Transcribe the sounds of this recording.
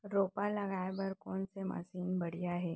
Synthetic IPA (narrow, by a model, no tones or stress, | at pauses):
ɾoːpalɐɡaːjbəɾkɔːnsema̰siːnbɐɽ̤ijaɦɛː